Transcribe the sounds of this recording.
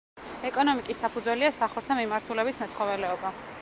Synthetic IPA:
ɛkʼɔnɔmikʼisːapʰud̪zwɛliasaχɔɾtsʰamimaɾt̪ʰulɛbismɛt̪sʰχɔvɛlɛɔba

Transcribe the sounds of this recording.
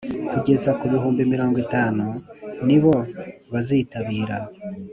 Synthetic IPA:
kuɟe̞zakuβiɦuːmbimiɾo̞ːŋɡwitaːnuniβo̞ | βaziːtaβiːɾa

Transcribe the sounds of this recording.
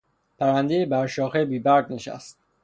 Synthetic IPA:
pʰæɾænd̪ejebæɾʃɒːxebiːbæɾɡ̪neʃæ̰st̪̚

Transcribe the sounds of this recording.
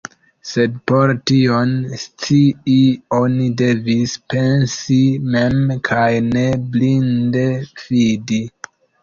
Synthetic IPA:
se̞d̚po̞ɾtionst͡siio̞nide̞vispe̞nsime̞mkʰajne̞blindev̥idi

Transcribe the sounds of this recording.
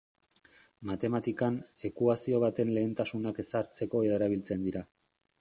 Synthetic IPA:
mat̪e̞mat̪ikane̞kuasio̞β̞at̪e̞nle̞ːnt̪asunake̞saɾt͡se̞ko̞eɾeɾaβ̞ilt͡se̞nd̪iɾa

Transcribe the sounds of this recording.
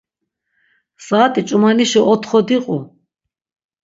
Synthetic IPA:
saːt̪ʼit͡ʃʼumaniʃiʔɔt̪ʰχɔd̪iqʼu

